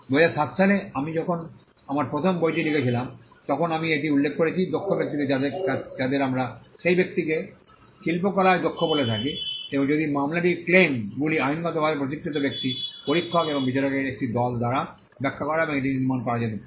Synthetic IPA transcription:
bojasatsʰaleamid͡ʑɔkʰon | amaɹpɹot̪ʰɔmbojtilikʰet͡ɕʰilam | t̪ɔkʰonamieʈ̬iulːekʰːkoɾet͡ɕʰid̪okʰːobek̚t̪ikead̪ead͡ʒad̪eɾamɹaʃejbek̚t̪ike | ʃilpokɔlajd̪okʰːobolet̪ʰakit̪ẽd͡ʒod̪imamlaʈ̬iklemɡuliajunkat̪obʱabepot̪̬ikʰːit̪objek̚t̪ipoɾikʰːɔkebɔŋbit͡ɕaɾɔkeek̚ʈid̪ɔld̪aɾa | bɛkʰːakɔɹaebɔŋeʈ̬iniɾmankɔad͡ʑat̪i

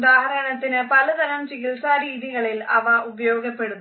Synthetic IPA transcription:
ðaːɦɐɾɐɳɐt̪ːɪnɐpɐlɐd̪ɐɾɐmsɪɣɪɭsaːɾiːðɪɣɐɭɪlɐʋaːʔʊbɐjoːɡɐpːeɽɯm

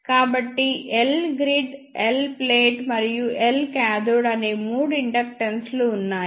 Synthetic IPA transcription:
kaːbɐʈːiʔelɡɾiɖelpleːʈmɐɾijuʔelkaːd̪uɽɐneːmuːɽuiɳɖɐk̚ʈɐnsluunːaː

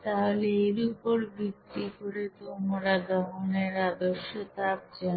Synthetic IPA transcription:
t̪aɦoleeɾupoɾbikːikoɾet̪omoɾad̪ɔɦoneɾad̪oʃːot̪ap̚d͡ʑan

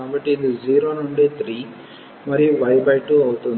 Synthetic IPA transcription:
aːbɐʈːind̪ud͡ʒiːɾoːnuɳɖet̪ʰɾiː | mɐɾijuʋɐjbɐjʈːuɐwt̪und̪

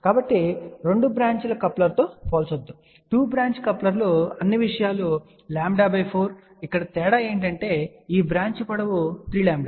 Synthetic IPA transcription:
kaːbɐʈːiɾe̞ɳɖubɾaːɲt͡ʃulɐkɐplɐɾt̪oːpoːlsɐd̪ːu | ʈuːbɾaːɲt͡ʃkɐplɐɾloɐnːiʋiʂɐjaːlo | laːmɖɐbɐjpʰoːɾ | ikːɐɽɐt̪ɛːɽae̞ːɳʈ̬ɐɳʈe̞ːiːbɾaːɲt͡ʃɐpɐɽɐʋut̪ɾiːlaːmɖa

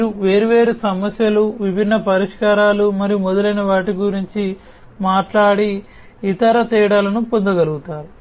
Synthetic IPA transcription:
uʋe̞ːɾuʋe̞ːɾusɐmɐsjɐluʋibʱinːɐpɐɾiʂkaːɾaːlumɐɾijumɔd̪ɐlɐjnɐʋaːʈiɡuɾiɲt͡ʃi | maːʈlaːɽiː | t̪ɐɾɐt̪iːɽalɐnupond̪ɐɡɐluɡut̪aːɾu

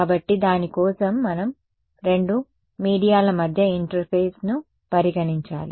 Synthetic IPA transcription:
kaːbɐʈːid̪aːnikɔːsɐmːɐnɐm | ɾe̞ɳɖu | miːɽijaːlɐmɐd̪ʱjɐiɳʈɐɾpʰeːsnu | pɐɾiɡɐɳiɲt͡ʃa̰ːlḭ

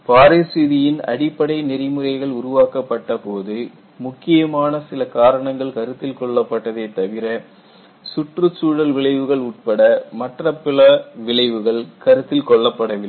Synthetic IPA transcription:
paːɾesiðɪjɪnɐ̰ɽɪpːɐɽɐɪnɪɾɪmɯrɐɪɣɐɭʊɾʊʋaːkɐpːɐʈːɐpoːðɯ | mʊkːɪjɐmaːnɐsɪlɐkaːɾɐɳɐŋɡɐɭkɐɾɯt̪ːɪlkɔɭːɐpːɐʈːɐðeːt̪ɐʋɪɾɐ | sʊʈrɯt͡ʃːuːɽɐlʋɪɭɐɪʋɯɣɐɭʊʈ̚pɐɽɐmɐʈrɐpːɪlɐʋɪɭɐɪʋɯɣɐɭkɐɾɯt̪ːɪlkɔɭːɐpːɐɽɐʋɪ

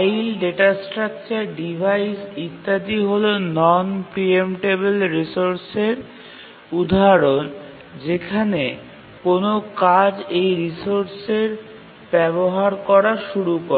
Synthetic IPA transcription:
ilɖeʈasʈɾak̚t͡ɕaɾɖibʱajsit̪ːad̪iɦolonɔnpɾiemʈeβelɾisoɾseɾ | ud̪ʱaɾon | d͡ʑekʰane | konokad͡ʑejɾisoɾseɾ | bɛboɦaɾkɔɾaʃuɾuko

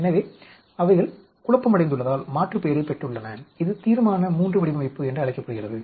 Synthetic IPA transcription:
ɛnːɐʋi | ɐʋɐɪɣɐɭ | kʊɻɐpːɐmɐɽɐɪnd̪ɯɭːɐðaːlmaːʈrɯpejɐɾɐɪpːɛʈrɯɭːɐnɐɪðɯt̪iːɾɐmaːnɐmuːndrɯʋɐɽɪbɐʋɐɪpːɯɛndrɯɐɭɐɪkːɐpːɐɽɯɣɪrɐðɯ

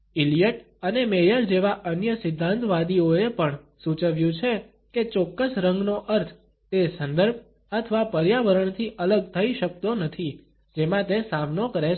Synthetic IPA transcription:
ɪlijəʈ | ənemejəɾd͡ʒeʋaʔənjəsɪd̪ʱːãnt̪ʋad̪ioepəɳ | sut͡ʃəʋjũt͡ʃʰe | ket͡ʃɔkːəsɾəŋɡnoʔəɾt̪ʰ | t̪esənd̪əɾb̚ | ət̪ʰəʋapəɾjaʋəɾəɳt̪ʰiʔələɡ̚t̪ʰəiʃək̚t̪onət̪ʰi | d͡ʒemãt̪esamnokəɾe

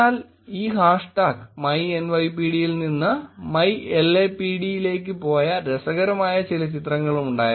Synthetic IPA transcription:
aːl | iːɦaːʂʈaːkmɐje̞nʋɐjpiːɽijilninːɨmɐjeleːpːiɽijile̞ːk̬ːɨpo̞ːjɐɾesɐɣɐɾɐmaːjɐt͡ɕilɐt͡ɕit̪rɐŋːɐɭumuɳɖaːjɐ

